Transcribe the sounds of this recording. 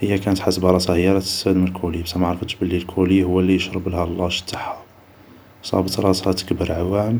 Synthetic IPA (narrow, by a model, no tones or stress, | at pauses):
həjːækænət̪ħasəbɑɾˤɑsɑhəjɑɾˤɑt̪ə̥sæd̪məlkʰuləjːbsæmaʕɾˤfəʃbəlːilkʰuləjːhʊwːælːijəʃɾˤəbəlhælˤːɑʃə̥t̪ːḁħːa | sˤɑ̰bət̪ɾˤɑshɑt̪ə̥kbəɾʕawːæm